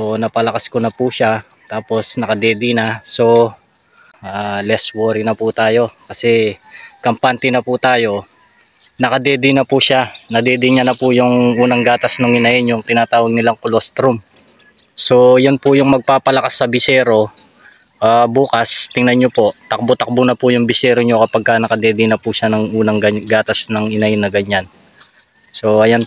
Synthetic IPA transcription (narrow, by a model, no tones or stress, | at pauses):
sonɐpɐlɐkaskonɐpuʃa | t̪aːpo̞snɐkɐd̪ɛːd̪ɪnɐso̞ | ʔalɛswoɾnɐput̪aːjo̞kɐsɛkɐmpant̪ɪnɐput̪aːjo̞ | nɐkɐd̪ɛːd̪ɪnɐpuʃanɐd̪ɛːd̪ɪɲɐnɐpujʊŋʔuːnɐŋɡaːt̪ɐsnoŋɪnɐʔɪnjʊŋt̪ɪnaːt̪aːwɐɡ̚nɪlaŋkʊlost̪ɾʊm | so̞jonpʊjʊŋmɐɡ̚paːpɐlɐkasːɐbɪsɛːɾo̞ | ʔaːbuːkɐst̪ɪŋnɐɲɲopo̞ʔt̪ɐk̚bot̪ɐk̚bʊnɐpujʊŋbɪsɛːɾoɲo̞kɐpɐɡ̚kɐnɐkɐd̪ɛːd̪ɪnɐpuʃanɐŋʔuːnɐŋɡɐɡaːt̪ɐsnɐŋɪnɐjɪnɐɡɐɲːan | so̞ɐjan